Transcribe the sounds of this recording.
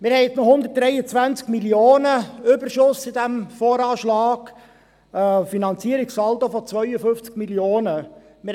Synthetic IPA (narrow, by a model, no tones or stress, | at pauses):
mɪɾhɛɪtt͡snɔhʊndət̚d̥ɾɛɪət͡sʋænt͡skmilioːnəʏbəɾʃʊsɪd̪æmfoːɾɑːʃlɑːkː | finɑnt͡siəɾiksɑlt̪ofɔt͡svœʏəfɵft͡skmiljoːnə | mɪ